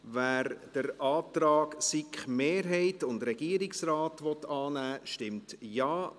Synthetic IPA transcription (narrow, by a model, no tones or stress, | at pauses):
væːɾd̥əɾʔɑːtɾɑːksikχmeːɾɦɛɪtʊndɾɛɡ̥iːəɾɪksraːtʋɔtɑːnæːʃtɪmtjɑː